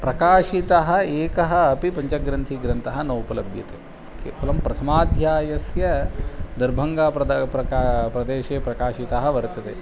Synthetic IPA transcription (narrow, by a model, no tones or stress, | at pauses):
pɾɐkaːʃit̪ɐɦɐeːkɐɦɐɐpipɐɲt͡ʃɐɡɾɐnt̪ʰiɡɾɐnt̪ɐɦɐnɐwpɐlɐbjɐ̰t̪ḛ | kḛpʰɐlɐmpɾɐt̪ʰɐmaːd̪ʱjaːjɐsjɐd̪ɐɾbʱɐŋɡaːpɾɐpɾɐkapɾɐd̪eːʃeːpɾɐkaːʃit̪aɦɐʋɐɾt̪ɐt̪ḛː